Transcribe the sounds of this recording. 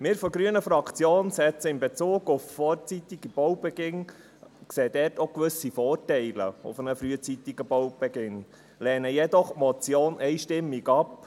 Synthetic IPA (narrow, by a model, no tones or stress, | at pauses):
mɪːɾfɔɡɾyənəfɾɑkt͡sjoːnsɛt͡səɪmbɛt͡suːɡ̥ʊffɔːɾt͡sit̪iɡib̥ɔwb̥ɛɡ̥ɪn | kseːd̪ɛɾtokʋʏsifɔːɾtɛɪlə̰ʊ̰fənəfɾyːət͡sit̪iɡ̥əbowb̥ɛɡɪn | lɛːnəjɛd̪ɔχmɔt͡sjoːnʔɛɪʃtɪmːiɡɑp